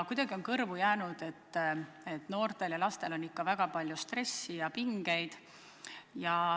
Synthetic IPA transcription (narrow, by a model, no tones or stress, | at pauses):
kujd̪̥ɑɡio̞nkɤrvujæːnud̪̥e̞t̪ː | e̞t̪ːˑno̞ːrt̪e̞ljɑlɑst̪e̞lo̞nːikːɑvæɡ̥ɑpɑlʲjust̪re̞sːijɑpiŋɡ̥e̞jd̪̥ | jɑ